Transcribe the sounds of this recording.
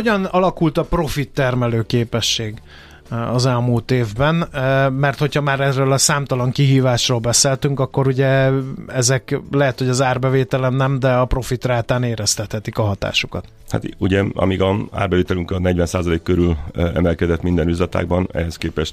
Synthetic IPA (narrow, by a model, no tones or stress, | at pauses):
hoɟɒnɒlɒkult̪ɒpro̞fit̪ːɛrmɛløːkeːpɛʃːeːɡ | ɒzɛlmuːlt̪eːvbɛnmɛrt̪ho̞chɒmaːɾɛrøːlɒsaːmt̪ɒlɒŋkiɦiːvaːʃroːlbɛseːlt̪yŋkɒkːo̞ɾuɟɛɛzɛklɛɦɛt̪ho̞ɟɒzaːrbɛveːt̪ɛlɛmnɛmd̪ɛɒpro̞fit̪raːt̪aːneːɾɛst̪ɛt̪hɛt̪ikɒɦɒt̪a̰ːʃu̥kɒt̪ | ha̰t̪uɟɛɒ̰miɡɒa̰ːrbɛveːt̪ɛlyŋkɒnɛɟvɛnsaːzɒleːkːøɾylɛ̰mɛlkɛd̪ɛt̪mind̪ɛnyzɒt̪a̰ːɡ̚bɒnɛ̰ɦɛskeːpɛʃt̪